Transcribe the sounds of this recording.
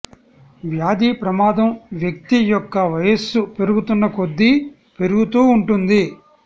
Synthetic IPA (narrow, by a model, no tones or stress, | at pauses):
ʋjaːd̪iːpɾɐmaːd̪ɐmʋjɐk̚t̪ijɔkːɐʋɐjɐsupe̞ɾuɡut̪unːɐko̞d̪ːi | pe̞ɾuɡut̪uːɳʈund̪i